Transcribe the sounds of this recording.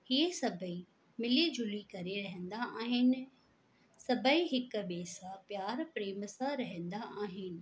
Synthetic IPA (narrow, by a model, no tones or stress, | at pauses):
hiesɐbʱəi | mɪlid͡ʑʱʊlikɐɾeɾɐɦə̃n̆d̪aaːɦɪnɪ̆ | sɐbʱəiɦɪkʊ̆ɓeːsãpjaːɾpɾeːmsãɾɐɦə̃nd̪aʔaːɦɪnɪ̆